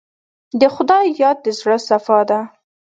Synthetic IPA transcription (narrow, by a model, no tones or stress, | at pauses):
d̪əxʊd̪ɑjjɑd̪̚ːəzɽəsafɑd̪a